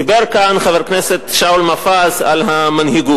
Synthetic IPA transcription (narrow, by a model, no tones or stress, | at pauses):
beʁkanχaveʁkneset̪ʃaulmafasalhamanhiɡu